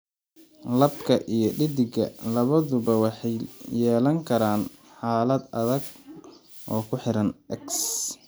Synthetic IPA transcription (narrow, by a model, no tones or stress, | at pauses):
lɐbkʰɐʔijɞɖɪd̪ɪɡɐ̰lɐβɐðʊbɐwɑħɑjjɛːlɐŋkʰɐɾaːn | ħaːlɐd̪ɐðɐɡ | ʔɔːkʰʊħɪɾɐnɛks